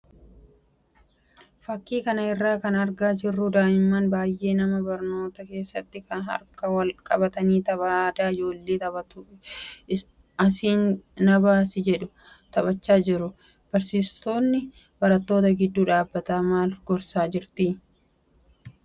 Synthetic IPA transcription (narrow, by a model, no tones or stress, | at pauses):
fɐkːiːkɐnɐɪrːaːkɐnɐɾɡaːd͡ʒɪrːʊd̪aːʔɪmːaːnbaːjʔe̞ːnɐmɐbɐɾno̞ːt̪ɐke̞ːsːɐt̪ːɪkɐnɦɐ̰ɾkɐwɐlkʼɐbɐt̪ɐniːt̪ɐβaːd̪aːɪd͡ʒo̞ːlːe̞ːt̪ɐbɐt̪ʊ | ɐsiːnnɐbaːsɪd͡ʒɛᶑʊ | t̪ɐbɐt͡ʃːaːd͡ʒɪɾʊ | b̥ɐɾsiːst̪o̞ːnːɪ | bɐɾɐt̪ːo̞ːt̪ɐɡɪd̪ːuːᶑaːbːɐt̪aːmaːlɡɔɾsaːd͡ʒɪɾt̪i